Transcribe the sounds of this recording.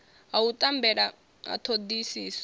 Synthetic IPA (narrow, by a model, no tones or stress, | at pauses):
aut̪ʼambɛɺa | a̰t̪ʰod̪isiːsɔ̥